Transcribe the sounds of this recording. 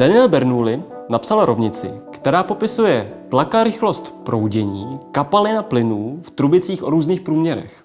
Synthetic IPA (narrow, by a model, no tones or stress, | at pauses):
d̥anɪɛlbɛɾnuːlɪnapsalɾo̞vɲɪt͡sɪ̰kt̪ɛɾaːpo̞pɪsujɛt̪lakaɾɪxlost̪pɾo̞wɟɛɲiːkapalɪnaplɪnuːft̪ɾubɪt͡siːxʔo̞ɾuːzniːxpɾuːmɲɛɾɛ̰x